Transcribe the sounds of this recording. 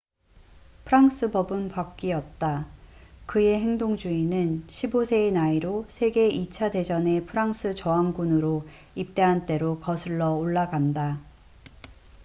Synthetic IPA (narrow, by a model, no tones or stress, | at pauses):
pʰɯɾaŋs͈ʰɯbʌbɯnpak̚k͈iʌt̚t͈a | kɯe̞ɦe̞ŋdoŋd͡ʑuinɯnɕʰibosʰe̞ːnaiɾosʰe̞ɡe̞it͡ɕʰade̞d͡ʑʌne̞pʰɯɾaŋsʰɯt͡ɕʌaŋɡunɯɾo | ip̚t͈e̞ɦant͈e̞ɾokʌsʰɯɭːʌoɭːaɡanda